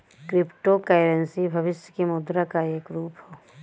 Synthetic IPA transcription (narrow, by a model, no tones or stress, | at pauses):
kɾɪpʈokeːɾənsibʱɐʋɪʃjəkemʊd̪ɾakaeːkɾuːpɦoː